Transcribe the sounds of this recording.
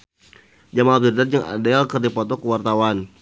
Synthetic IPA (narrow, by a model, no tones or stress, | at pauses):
d͡ʒamad̪irdard͡ʒaŋa̰dɛlkərdipɔt̪ɔkəwart̪awan